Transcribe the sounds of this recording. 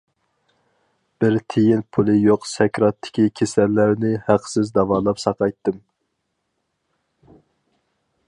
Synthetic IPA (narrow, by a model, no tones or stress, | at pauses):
b̥ɪɾt̪ʰejinpʰulˠɨjoqsɛkʲɾɑt̪ʰːɪ̥kʲikʲʰesɛlːæɾnɪhæqsɪzd̪ɑvɑːlˠɑpsɑqɑjt̪ʰːɨm